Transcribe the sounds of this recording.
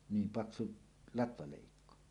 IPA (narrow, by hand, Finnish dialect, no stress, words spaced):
niːm pɑksu lɑtʋɑleˑikːo